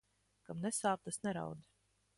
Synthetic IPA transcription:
kamnɛsaːp̚t̪asnɛɾa̰wd̪i

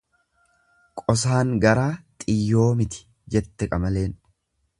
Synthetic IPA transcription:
kʼɔs̬aːŋɡɐɾaːt̪ʼɪjːo̞ːmɪt̪ɪ̥ | d͡ʒɛt̪ːɛkʼɐmɐle̞ːn

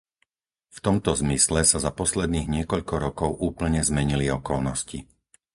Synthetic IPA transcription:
ft̪ɔmt̪ɔzmislɛsazapɔslɛd̪niːɣɲɪɛkɔʎkɔɾɔkɔʊʔuːpl̩ɲɛzmɛɲiliɔkɔlnɔsci

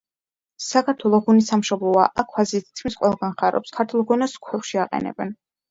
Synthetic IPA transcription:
sakʰaɾt̪ʰwɛlˠɔʁunisamʃɔblˠɔa̰ʔakʰwazit̪ʰi̥t̪̚kʰmisqʼwɛlˠɡanχaɾɔ̰pskʰaɾt̪ʰulˠʁunaskʰɛʃiaqʼɛ̰nɛ̰bɛn

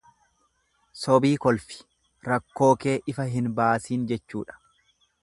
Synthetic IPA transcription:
sɔbiːkɔlfɪ̥ | ɾɐkːo̞ːke̞ːʔɪfɐɦɪnbaːsiːnd͡ʒɛt͡ʃːṵːᶑɐ̥

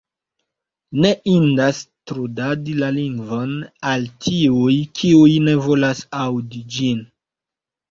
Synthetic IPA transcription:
ne̞ʔindastɾudadilaliŋɡvo̞naltʰiujkʰiujne̞vo̞lasawdid͡ʒin

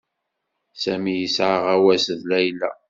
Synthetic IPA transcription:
sæmijəsʕaʁæwæsəðlæjlæ̰

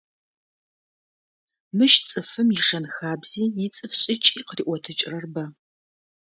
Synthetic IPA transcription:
mɨʃt͡sʼɨfɨmjɪʂɐnxaːbz̥iːjɪt͡sʼɨfɕʼɪt͡ʃʼiːqriːʔʷɔtʰɨt͡ʃʼrɐrbɐ

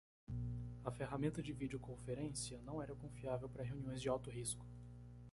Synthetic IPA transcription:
ɐfeɦamẽnt̪ɐd͡ʒɪvid͡ʒɪʊkõfeɾẽsiɐnɐ̃w̃ɛɾɐkõfiavewpaɾɐɦeuniõj̃zd͡ʒɪawt̪ʊɦiskʊ̥

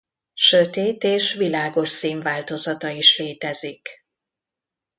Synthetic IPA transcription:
ʃøt̪eːt̪eːʃʋilaːɡo̞ʃsiːɱvaːlt̪o̞zɒt̪ɒiʃleːt̪ɛzik

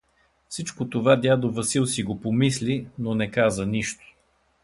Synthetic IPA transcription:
fsit͡ʃkot̪ovad̪ʲjad̪ovəsilˠsiɡopomislʲinonɛkazəniʃt̪o̥

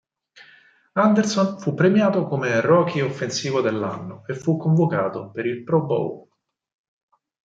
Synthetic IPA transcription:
and̪ersonfupːɾemjaːt̪okomerɔːkʰiofːensiːvod̪elːa̰nːoefːukːoɱvokaːt̪opeɾilpɾɔbo̰w

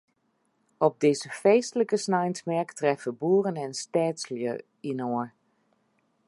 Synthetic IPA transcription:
ɔb̚dɪzəfeːstələkəsnajntsmɛɹktrɛfəbuːrənɛnstɛːtsljə̰ | inoəɹ

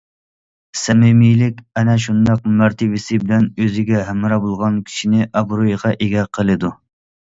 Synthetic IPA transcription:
sɛmɪmijlɪkʲɛnɛʃund̪ɑq̚mæɾt̪ʰɪvɪsɪbɪlɛnøzɪɡʲɛɦæmɾɑbolˠʁɑnkʲʰi̥ʃinɪʔɑbɾojʁɑʔeɡʲɛqʰəlˠɨd̪u

